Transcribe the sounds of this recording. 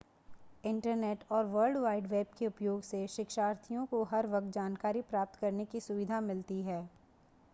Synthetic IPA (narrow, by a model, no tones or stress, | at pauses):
ɪ̃ɳʈəɾneːʈɔːɾʋəɾlɖʋaːɪɖʋeːb̚keʊpjoːɡseʃɪkʃaːɾt̪ʰijõkoɦɐɾʋɐk̚t̪̚d͡ʒaːnkaːɾipɾaːp̚t̪kɐɾnekisʊʋɪd̪ʱamɪlt̪iɦɛː